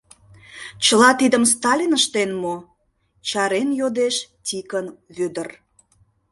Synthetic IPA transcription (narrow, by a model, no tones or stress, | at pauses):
t͡ɕəlɑt̪id̪əms̬t̪ɑlʲinəʃt̪enmo | t͡ɕɑɾenjod̪eʃtʲikənβød̪ər